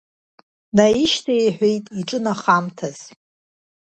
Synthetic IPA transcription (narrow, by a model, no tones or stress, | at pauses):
naiʃtʰaeħᶣʷejtʼiʈ͡ʂʼɨnaχamtʰaz̥